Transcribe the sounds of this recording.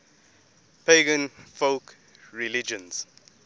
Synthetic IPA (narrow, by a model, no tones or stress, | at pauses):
pʰeɡə̃nfoʊk | ɹilid͡ʒə̃ns